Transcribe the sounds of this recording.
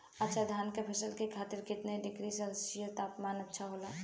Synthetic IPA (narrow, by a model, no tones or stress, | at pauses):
ɐtːʃʰad̪ʱaːnkepʰɐsəlkekʰaːt̪ɪɾkɪt̪neɖɪkɾisɐlsijət̪aːpmaːnɐtːʃʰaɦoːlaː